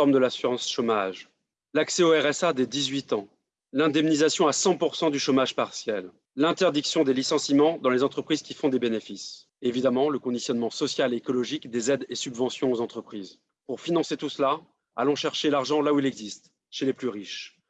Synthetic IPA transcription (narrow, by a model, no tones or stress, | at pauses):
ɔʁmd̪əlasyʁɑ̃sʃomaʒ | laksɛoɛʁɛsad̪ed̪izɥit̪ɑ̃ | lɛ̃d̪ɛmnizasjɔ̃asɑ̃puʁsɑ̃d̪yʃomaʒpaʁsjɛl | lɛ̃t̪ɛʁd̪iksjɔ̃d̪elisɑ̃simɑ̃d̪ɑ̃lezɑ̃t̪χəpχiz̥kʲifɔ̃d̪ebenefis | evid̪amɑ̃ləkɔ̃d̪isjɔnmɑ̃sɔsjaleːkɔlɔʒikd̪ezɛd̪esybvɑ̃sjɔ̃ozɑ̃t̪χəpχiːz | puʁfinɑ̃set̪usla | a̰lɔ̃ʃɛʁʃelaʁʒɑ̃lauilɛɡzist̪ | ʃeleplyʁiʃ